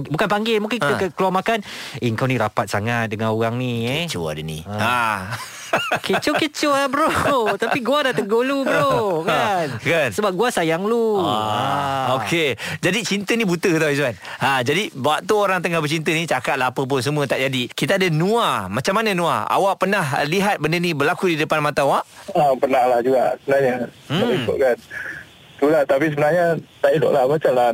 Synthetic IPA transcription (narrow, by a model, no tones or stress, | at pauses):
bukanpaŋɡɪlmuŋkɪnkit̪aəkːəluarmakaneəŋkawniɾapat̪̚saŋat̪̚dəŋanoɣaŋniət͡ʃo̰a̰dənḭa | kət͡ʃokət͡ʃoabəɾot̪apiɡuadat̪əɡolubəɾokankansəbap̚ɡuasajaŋlu | oked͡ʒadit͡ʃint̪ənibut̪əkət̪̬awit̪̬uanad͡ʒadibaaʔt̪uoɾaŋt̪̬əŋahbət͡ʃint̪̬ənit͡ʃakat̪̚laapəp̬ʊns̬əmũət̪aʔd͡ʒadikit̪aadənũamat͡ʃamːananũa̰a̰waʔpənaɦliɦat̪̚bəndənĩbəlakudidəpanmat̪awaʔapərnahlahd͡ʒuɡaʔsəbənaɾɲa | daikʊ̰ʔ̚kan | t̪ulaht̪apisəbənaɾɲat̪aido̰ʔlahbat͡ʃamla